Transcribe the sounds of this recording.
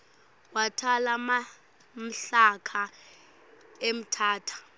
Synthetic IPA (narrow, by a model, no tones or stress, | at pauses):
watʰalama | m̩ɬakʰa | em̩tʰaːtʰḁ